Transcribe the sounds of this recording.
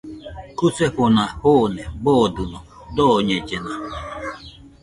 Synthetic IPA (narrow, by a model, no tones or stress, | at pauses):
kuseɸʊnahonebɔdunɔ | dɔɲed͡ʒena